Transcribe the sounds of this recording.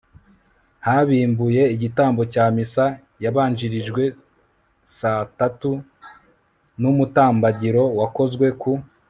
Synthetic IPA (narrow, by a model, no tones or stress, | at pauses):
haβiːmbuje̞iɟitaːmbo̞caːmisa | jaβaːnd͡ʒiɾiʒɡwe̞ | satatu | numutaːmbaɟiɾo̞wako̞zɡwe̞ku